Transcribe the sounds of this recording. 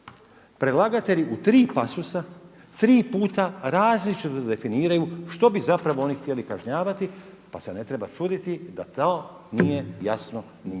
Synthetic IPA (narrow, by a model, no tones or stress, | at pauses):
pɾe̞laɡat̪e̞ʎiʔut̪ɾiːpasusa | t̪ɾiːpuːt̪aɾaːzlit͡ʃit̪od̪e̞finiːɾajuʃt̪o̞bizapɾaʋo̞o̞nixt̪ije̞likaʒɲaːʋat̪i | pase̞ne̞t̪ɾe̞bat͡ʃuːd̪it̪id̪a̰t̪oː | nije̞jasno | ni